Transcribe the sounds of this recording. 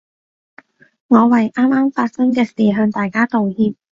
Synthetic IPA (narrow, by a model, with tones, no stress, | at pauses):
ŋɔː˨˧wɐ˨jʔaː˥maː˥mfaː˧t̚sɐ˥ŋkɛː˧siː˨˩ɦœː˧ŋt̪aː˨jkaː˥t̪o˨whiː˨˧p̚